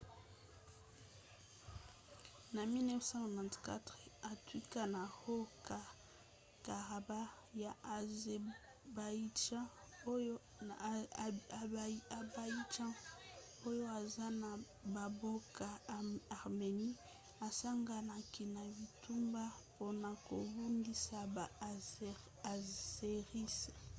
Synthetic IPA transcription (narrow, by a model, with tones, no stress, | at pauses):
na˨mi˦nɛ˦fsã˦a˨nã˨ntka̰˦tʁɛ˨a˨twi˦ka˦na˨ho˦ka˨ | ka˨ʁa˨ba˦ | ja˨ | ba˨i˦d͡ʒã˦˨˦ | a˨ba˨i˦d͡ʒã˦ | o˦jo˦a˨za˦na˨ | ba˨bo˦ka˨a˨ʁme˨ni˦ | a˨sa˦ŋɡa˨na˨ki˨na˨bi˨tu˦mba˦po˦na˨ko˨bu˦ndi˦sa˨ | a˨ze˨ʁi˦se˨